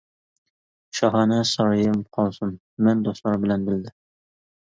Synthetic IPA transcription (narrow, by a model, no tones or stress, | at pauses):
ʃɑɦɑnæsɑɾɑjɪmqʰɒlˠsɤmː | ænd̪ost̪lˠɑɾbɪlænbɪld̪ɪ